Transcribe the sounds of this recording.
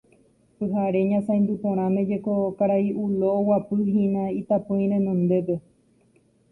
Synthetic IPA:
pɨɦaɾe̞ɲãsãj̃nd̪up̪õɾ̃ãmẽd͡ʒekokaɾaiʔuloːwapɨɦĩnãit̪apõj̃ɾẽnõnd̪e̞p̬e̞

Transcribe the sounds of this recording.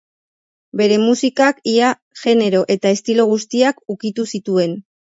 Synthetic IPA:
be̞ɾe̞musikakia | ʝe̞ne̞ɾo̞ʔe̞t̪aest̪ilo̞ɣ̞ust̪iakukit̪usit̪ue̞n

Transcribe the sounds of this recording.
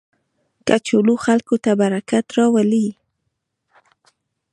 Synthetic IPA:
kat͡ʃʊluxalkot̪abaɾakat̪ɾɑwali

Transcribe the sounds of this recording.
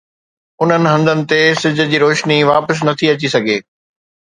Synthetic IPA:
ʊn̤ənɪ̆ɦɐ̃nd̪ənɪ̆t̪esɪd͡ʑʱʊ̆d͡ʑiːɾoːʃniʋaːpəs̬nɐt̪ʰiɐt͡ɕisɐɡʱeː

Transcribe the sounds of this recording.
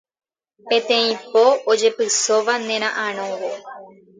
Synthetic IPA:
pẽ̞t̪ẽĩpo̞od͡ʒe̞pɨsoʋanẽ̞ɾ̃ãʔãɾ̃õʋo

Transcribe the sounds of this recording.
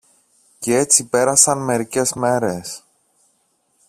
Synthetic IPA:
cee̞t͡sipe̞ɾɐsɐnme̞ɾice̞zme̞ɾe̞s

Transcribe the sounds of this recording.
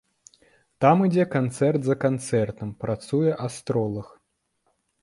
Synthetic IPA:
t̪amid͡zʲɛkant̪sɛrt̪zɐkant̪sɛrt̪ɐmpɾat̪sujɛʔast̪ɾɔlˠɐx

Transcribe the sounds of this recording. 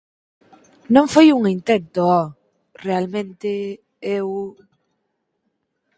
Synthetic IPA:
nõɱfojuŋint̪ent̪oɔ | realmẽnt̪e | ew

